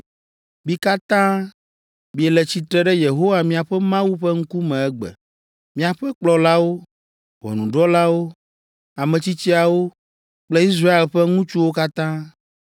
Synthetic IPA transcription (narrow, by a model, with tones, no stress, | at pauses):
bi˦ka˦t̪ã˦ | mi˨˦ɛ˨lɛ˨t͡ɕi˨t̪ɾɛ˦ɖɛ˦je˨ɦo˦wa˨mĩ˦a˨ɸɛ˦mã˦wu˦ɸɛ˦ŋ̩˦ku˦mɛ̃˨ɛ˦ɡ͡bɛ̰˨ | mĩ˦a˨ɸɛ˦k͡plɔ˨la˦wo˦ | wɔ̰˨nũ˨ɖɔ˦la˦wo˦ | a˨mɛ̃˨t͡ɕi˦t͡ɕi˦a˨wo˦ | k͡plɛ˦i˦s̬ɾa˦e˨lɸɛ˦ŋũ˦t͡ʃu˦wo˦ka˦t̪ã˦